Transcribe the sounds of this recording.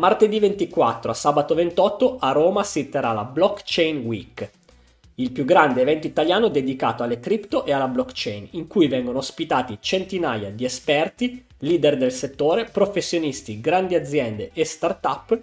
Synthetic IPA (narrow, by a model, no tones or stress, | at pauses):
mart̪ed̪ivent̪ikwat̪ːɾoasaːbat̪ovent̪ɔt̪ːoaroːmasit̪ːeɾala̰blɔkːt͡ʃɛjnwḭk | ilpjuɡːɾand̪eːvɛnt̪oit̪aljaːnod̪ed̪ikaːt̪oalːek̪ɾipt̪oʔealːablɔkt͡ʃɛjniŋkujvɛŋɡonoːspit̪aːt̪it͡ʃent̪inaːja̰d̪iespɛrt̪i | liːd̪erd̪elset̪ːoːɾepɾofesːjonist̪iɡɾand̪iad̪zːjɛnd̪eʔest̪art̪apː